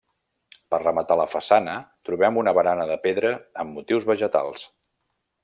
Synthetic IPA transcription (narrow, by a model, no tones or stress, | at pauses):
pərrəmət̪aləfəsanət̪ɾuβɛmunəβəɾanəðəpeðɾəəmːut̪iwzβəʒət̪a̰lˠs